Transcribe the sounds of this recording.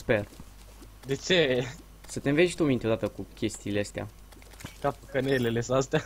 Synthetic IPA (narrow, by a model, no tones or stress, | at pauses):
spe̞r | d̪e̞t͡ʃe | sət̪enveʃt̪umint̪eod̪at̪əkukʲe̞st̪iːleəst̪ea̰ | kapəkənelelesast̪a